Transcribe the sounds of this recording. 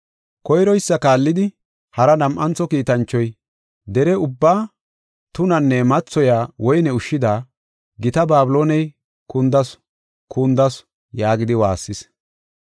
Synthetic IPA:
kɔjɾɔjsːɐkaːlːɪd̪ɪ | hɐɾɐnɐmʔɐnt͡sːɔkiːt̪ɐnt͡ʃːɔj | d̪ɛɾɛʊbːaː | t̪ʊnɐnːɛmɐt͡sːɔjaːwɔjnɛʊʃːɪd̪aː | ɡɪt̪ɐbaːbɪlo̞ːnɛj | kʊnd̪ɐs | kund̪ɐs | jaːɡɪd̪ɪwaːsːɪs

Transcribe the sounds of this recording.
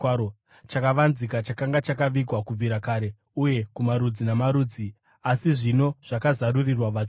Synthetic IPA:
o | t͡ʃakaʋanzikat͡ʃakaŋɡat͡ʃakaʋiɡʱwakub͡viɾakaːɾe̞ | uje̞kumaɾud͡zinamaɾuːd͡zi | asiʐino̞ʐ̥akazarurirwaʋa

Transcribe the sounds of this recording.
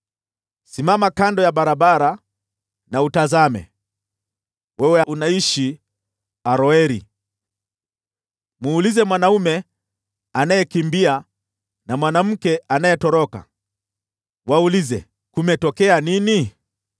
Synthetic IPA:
simamakandɔjaɓaɾaɓaɾa | nautazamɛ̰ | wɛwɛaunaiʃi | aɾɔɛɾi | muːlizɛmwanaumɛ | anajɛkimbia | namwanam̩kɛanajɛtɔɾɔka̰ | waulizɛ̰ | kumɛtɔkɛanini

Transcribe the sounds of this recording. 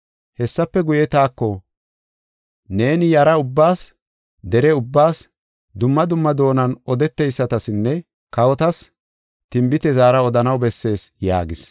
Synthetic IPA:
hɛsːɐpːɛɡʊjɛt̪aːkːɔ | ne̞ːnɪjɐɾɐʊbːaːs | d̪ɛɾɛʊbːaːs | d̪ʊmːɐd̪ʊmːɐd̪o̞ːnɐnɔd̪ɛt̪ːɛjsːɐt̪ɐsɪnːɛ | kɐwɔt̪ɐs | t̪ɪmbɪt̪ɛzaːɾɐɔd̪ɐnɐwbɛsːe̞ːsja̰ːɡɪs

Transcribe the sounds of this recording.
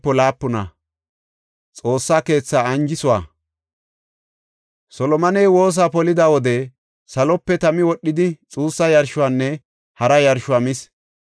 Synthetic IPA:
pːɔlaːpːʊnɐ | t͡sʼo̞ːsːaːke̞ːt͡sːaːɐnd͡ʒɪsʊwa̰ː | sɔlɔmɐnejwo̞ːs̬aːpɔlɪd̪awɔd̪ɛ | sɐlɔpːɛt̪ɐmɪwɔɗːɪd̪ɪt͡sʼuːsːɐjɐɾʃʊwaːnːɛ | hɐɾɐjɐɾʃʊaːmɪs

